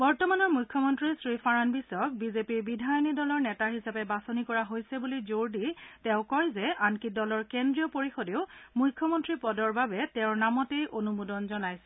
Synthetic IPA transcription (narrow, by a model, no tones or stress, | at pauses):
bɔɹtɔmanɔɹmujkʰːɔmɔntɹisɹifʰaɹanbisɔk̚bizepiɹbidʱajɔnidɔlɔɹnɛtaɦisapɛbasonikɔɹaɦojsɛbulizoɹditɛ̃ʊ̃kɔjzɛankidɔlɔɹkendɹijɔpoɹixodeʊmujkʰːɔmɔntɹipɔdɔɹbabɛtɛ̃ʊɹnamɔtejʔonumudɔnzɔnajsɛ